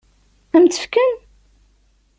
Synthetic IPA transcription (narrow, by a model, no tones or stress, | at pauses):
θənt̪ə̥fkən